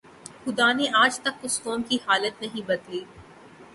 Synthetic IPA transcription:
xʊd̪aːneʔaːd͡ʒt̪ɐkʊskɔːmkihaːlət̪̚nɐɦĩbɐd̪liː

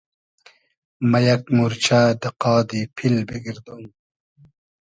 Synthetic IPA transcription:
mɐjɐkmuɾt͡ɕʰad̪ɐqɑːd̪ipʰilbeɡiɾd̪un

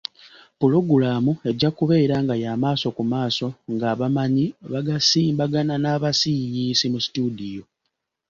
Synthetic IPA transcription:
pulo̞ɡulaːmue̞ɟakuβe̞ːɾaŋɡajaːmaːso̞kumaːso̞ŋɡaːβamaɲiβaɡasiːmbaɡananaːβasijiːsimusi̥tudijo̞

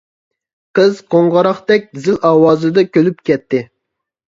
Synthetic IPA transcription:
qʰəzqʰoŋʁɑɾɑχt̪ɛk̚ʲzɪlʔɑːwɑːzɨd̪ɑkʲʰølyp̚kʲɛt̪ʰːɪ

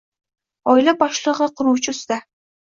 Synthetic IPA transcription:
ɒɪlabɒʃlˠɨʁɨqʰʊɾuwt͡ʃʰɪsɪd̪a

